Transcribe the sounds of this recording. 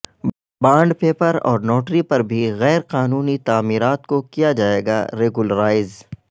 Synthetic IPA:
bãːɳɖpeːpəɾɔ̰ːɾnoːʈɾipɐɾbʱiɣɛːɾqaːnuːnit̪aːmiːɾaːt̪kokijad͡ʒaːeːɡa̰ɾeːɡʊləɾaːɪz

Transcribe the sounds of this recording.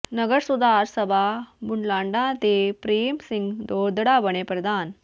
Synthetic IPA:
nəɡəɾsud̪ʱaɾsəbʱabuɳlaɳɖãt̪epɾemsiŋɡd̪od̪ɽabəɳepɾəd̪ʱaːn

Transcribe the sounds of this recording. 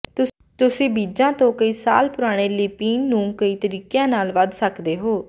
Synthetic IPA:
t̪ʊ | t̪ʊsĩːbiːd͡ʒãːt̪õːkəiːsa̰ːlpʊɾaːɽ̃eːliːpiːnːũːkəiːt̪əɾiːkjãːnaːlʋəd̪səkd̪eːɦoː

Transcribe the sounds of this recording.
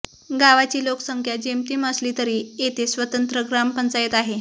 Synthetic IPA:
ɡaʋat͡ɕiːloksəŋkʰjad͡ʑemt̪iːməsliːt̪əɾiːet̪ʰesʋət̪ənt̪ɾəɡɾampənt͡sajet̪aɦe

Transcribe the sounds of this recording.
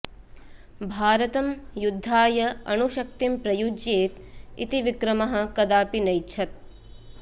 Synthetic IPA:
bʱaːɾɐt̪ɐmjud̪ʱːaːjɐɐnuʃɐk̚t̪impɾɐjud͡ʒjeːt̪ḭt̪iʋikɾɐmɐɦɐ̆kɐd̪aːpinɐjtːt͡ʃʰɐt̪̚

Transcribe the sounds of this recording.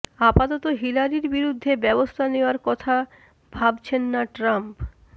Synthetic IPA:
apat̪ɔt̪oɦilaɾiɾbiɾud̪ʱːebɛbost̪ʰaneoaɾkɔt̪ʰa | bʱabt͡ɕʰenːaʈɾamp

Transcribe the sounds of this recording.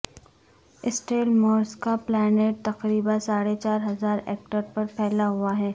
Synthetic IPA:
ɪsʈeːlmoːɾskaplɛːneːʈ̚t̪ɐqɾiːbãsaːɽet͡ʃaːɾɦɐzaːɾɛ̰ːk̚ʈəɾpɐɾpʰɛːlaɦuaɦɛː

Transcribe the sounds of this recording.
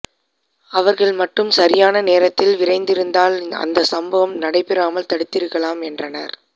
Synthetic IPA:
ɐʋɐɾɣɐɭmɐʈːɯmsɐɾɪjaːnɐneːɾɐt̪ːɪlʋɪɾɐɪnd̪ɪɾɯnd̪aːlɐ̰nd̪ɐsɐmbɐʋɐmnɐɽɐɪpːɪɾaːmɐlt̪ɐɽɯt̪ːɪɾɯkːɐɭaːmɛndrɐnɐ̰ɾ

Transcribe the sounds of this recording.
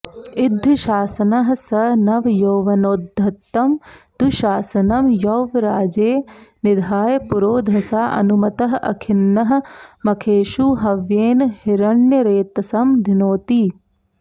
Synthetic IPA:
id̪ʱːɐʃaːsɐnɐɦɐsɐnɐʋjɐwʋɐnoːd̪ʱːɐt̪ːɐmt̪uʃaːsɐnɐmjɐwʋɾaːd͡ʒeːnɪd̪ʱaːjɐpuɾoːd̪ʱɐsaːʔɐ̰numɐt̪ɐɦɐʔɐ̰kʰɪnːɐɦɐ̆mɐkʰeːʃuɦɐʋjeːnhiɾɐɳjɐɾeːt̪ɐsɐmd̪ʱinoːt̪i

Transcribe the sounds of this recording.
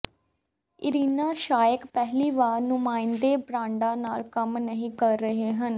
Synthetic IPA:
ɪɾiːnaːʃaːjəkpɛɦliːʋaːɾnʊmãːɪnd̪eːbɾãːɳɖaːnaːlkəmnəɦĩːkəɾːəɦeːɦən

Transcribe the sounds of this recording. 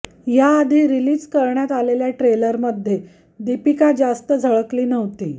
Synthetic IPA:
jaːd̪ʱiːɾiliːd͡zkəɾɳjat̪aleljaʈɾeləɾməd̪ʱːje | d̪ipikad͡zast̪əd͡zʱəɭəkliːnəʋt̪iː

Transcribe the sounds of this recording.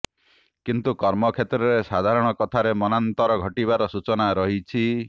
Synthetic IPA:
kint̪ukɔɾmɔkʰet̪ɾɔɾesad̪ʱaɾɔɽ̃ɔkɔt̪ʰaɾemɔnant̪ɔɾɔɡʱɔʈiβaɾɔsut͡ʃɔnaɾɔɦit͡ʃʰi

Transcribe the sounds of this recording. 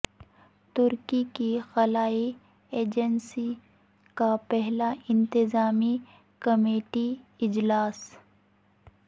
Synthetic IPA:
t̪ʊɾkikixɐlaːi | eːd͡ʒənsi | kapɛɦlaʔɪ̃nt̪ɪzaːmi | kɐmeːʈiɪd͡ʒlaːs

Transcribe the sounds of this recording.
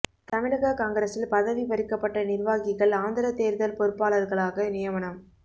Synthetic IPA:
t̪ɐmɪɻɐɣɐkaːŋɡɐɾɐsɪlpɐðɐʋipɐɾɪkːɐpːɐʈːɐnɪɾʋaːɣɪɣɐɭaːnd̪ɐɾɐt̪ːeːɾðɐlpɔɾɯpːaːɭɐɾɣɐɭaːɣɐnɪjɐʋɐnɐm

